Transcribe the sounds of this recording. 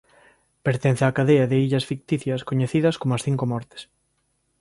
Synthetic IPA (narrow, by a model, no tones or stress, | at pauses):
peɾt̪en̟θeakaðeɐðɪiʎɐsfik̚t̪iθjɐskoɲeθiðɐskomoɐsθiŋkomɔɾt̪ɪ̥s